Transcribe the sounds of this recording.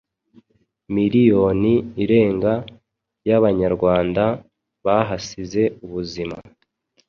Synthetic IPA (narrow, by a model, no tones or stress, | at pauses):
miɾijo̞niːɾe̞ːŋɡa | jaβaɲaɾɡwaːnda | βaɦasize̞uβuzima̰